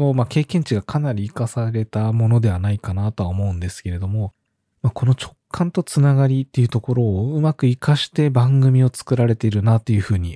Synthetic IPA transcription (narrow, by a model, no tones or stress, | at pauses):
no̞make̞ːkẽ̞ɲ̟t͡ɕiɡakʰanaɾʲiːkasaɾe̞t̪amo̞no̞d̪e̞βanaikanat̪o̞βaomo̞ɯ̟̃nd̪esɨ̥ke̞ɾe̞d̪o̞mo̞ | mako̞no̞t͡ɕo̞kʰːãnt̪o̞t͡sɨnaɡaɾʲit̪ːe̞jiɯ̟t̪o̞ko̞ɾo̞ːɯ̟makɯ̟ikaɕi̥t̪e̞bãŋɡɯ̟mʲio̞t͡sɨ̥kɯ̟ɾaɾe̞t̪e̞iɾɯ̟nat̪ːe̞jɯ̟ɸɯ̟ːɲ̟i